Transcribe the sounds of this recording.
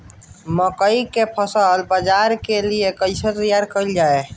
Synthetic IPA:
məkəikepʰəsəlbəd͡ʒaːɾkeliekəɪset̪əjaːɾkəld͡ʒaːe

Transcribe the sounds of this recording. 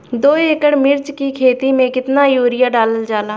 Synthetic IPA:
d̪oːeːkəɽmɪɾd͡ʒkiːkʰeːt̪iːmẽːkɪt̪naːjuːɾɪjaːɖaːləld͡ʒaːlaː

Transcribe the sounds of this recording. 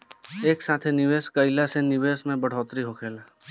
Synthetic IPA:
eːksãːt̪ʰenɪʋeːskəɪlasenɪʋeːsmẽbəɽ̤ɔːt̪ɾiɦoːkʰeːla

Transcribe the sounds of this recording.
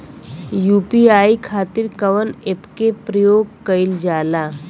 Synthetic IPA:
juːpiaːikʰaːt̪ɪɾkɐʋənepkepɾəjoːɡ̚kəɪld͡ʒaːlaː

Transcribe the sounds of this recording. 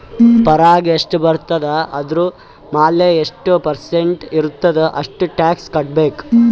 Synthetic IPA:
pɐɾaːɡiɐʂʈubɐɾt̪ɐd̪ɐɐd̪ɾu | maːlːeeʂʈupɐɾseɳʈiɾut̪ːɐd̪ɐʔɐ̰ʂʈuʈaːkskɐʈ̚beːk

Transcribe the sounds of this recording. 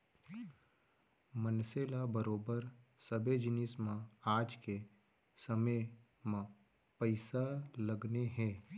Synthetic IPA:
mənseːlabəɾoːbəɾ | səbʱed͡ʒɪnɪsmãaːd͡ʒke | səmə | mã | pəɪsalɐɡneɦɛ̃ː

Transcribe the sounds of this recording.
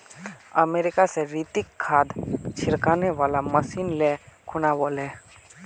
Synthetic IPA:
əmeːɾɪkaseɾiːt̪ɪkʰːaːd̪t͡ʃʰɪɾkaːneʋaːlaməsiːnlekʰʊnaʋolɛː

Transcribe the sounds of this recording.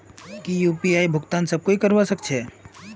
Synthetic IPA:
kijupiaibʱʊɡt̪ansəb̚koikəɾʋasəkt͡ʃʰe

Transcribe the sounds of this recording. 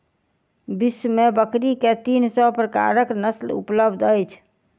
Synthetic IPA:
bismebəkɾiket̪insɔpɾəka̰ɾəknəslṵpləbd̪ʱəjt͡ʃʰ

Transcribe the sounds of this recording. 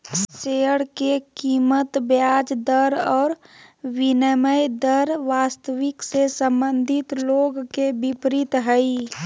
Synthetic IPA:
seːəɽkekiːmət̪bjaːd͡ʒd̪əɾɔːɾʋɪnəməjd̪əɾʋaːst̪əʋɪksesə̃mbə̃nd̪ʱɪt̪loːɡkebɪpɾɪt̪ɦəi

